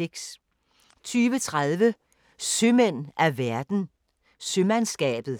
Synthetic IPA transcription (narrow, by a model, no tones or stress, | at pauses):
eɡ̥s | t͡sʰyːʋət͡sʰʁaðˠʋə | sømen̰æʋæɐd̥n̩ | sømænsɡ̥ɛ̰ːb̥ð̩ˠ